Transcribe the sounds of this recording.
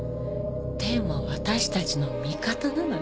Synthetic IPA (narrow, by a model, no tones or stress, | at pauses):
d̪̥e̞ːmo̞βat̪aɕi̥t̪at͡ɕino̞mʲikat̪anano